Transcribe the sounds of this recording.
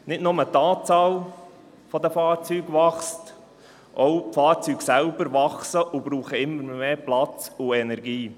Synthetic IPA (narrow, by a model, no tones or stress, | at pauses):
nɪtnʊmət̪ɑːt͡sɑːl | fɔd̪əfɑːɾt͡syːɡʋɑχst | ʔɔwfɑːɾt͡syːɡsælb̥əɾʋɑχsəʔʊbɾuːχəɪmːəɾmeːplɑt͡sʊɛnɛɾɡiː